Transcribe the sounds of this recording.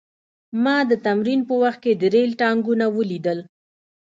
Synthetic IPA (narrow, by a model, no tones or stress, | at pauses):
mɑd̪ət̪amɾinpəwaxt̪̚ked̪əɾelʈɑŋɡunawəlid̪əl